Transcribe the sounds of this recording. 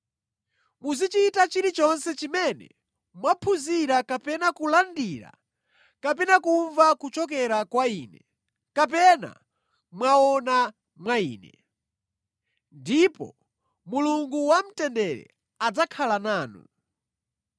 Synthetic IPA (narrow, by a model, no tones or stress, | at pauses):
muzit͡ʃitat͡ʃiɾit͡ʃɔnsɛt͡ʃimɛnɛ̰ | mwapʰuziɾakapɛnakulandiɾa̰ | kapɛnakuɱvakut͡ʃɔk̬ɛɾakwaiːnɛ | kap̬ɛna̰ | mwaɔna | mwaḭːnɛ | ndipɔ̰ | muluŋɡuwam̩tɛndɛɾɛ̰ | ad͡zakʰalanaːnṵ